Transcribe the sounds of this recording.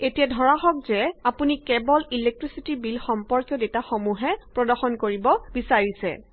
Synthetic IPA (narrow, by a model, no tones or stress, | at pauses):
etijadʱɔɹaxɔk̚zɛapunikɛbɔlilek̚tɹisitibilxɔmpɔɹkjɔdetaxomuɦɛpɹɔdɔxɔnkoɹibɔbisaɹisɛ̰